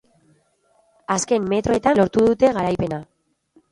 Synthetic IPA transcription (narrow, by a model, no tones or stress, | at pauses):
aske̞mːe̞t̪ɾo̞e̞t̪anlo̞ɾt̪uðut̪e̞ɣaɾajpe̞na